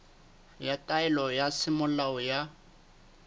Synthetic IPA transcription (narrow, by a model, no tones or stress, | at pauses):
jatʼaɛlɔjasɪmʊlaɔja